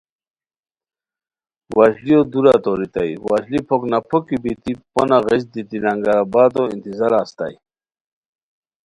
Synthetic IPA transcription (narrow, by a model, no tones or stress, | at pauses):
waɕlijod̪uɾat̪oɾit̪ajwaʑlipʰoknapʰokibit̪iponaɣesd̪it̪ilaŋɡaɾabad̪oḭnt̪izaɾaːst̪a̰j